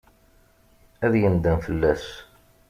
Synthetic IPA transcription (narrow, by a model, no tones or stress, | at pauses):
æðjənd̪ænfəlːæs